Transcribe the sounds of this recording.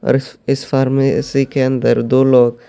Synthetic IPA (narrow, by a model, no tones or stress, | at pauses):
ɔ̰ːɾɪsfaːɾmẽɪ̰sikeə̃nd̪əɾd̪oːloːɡ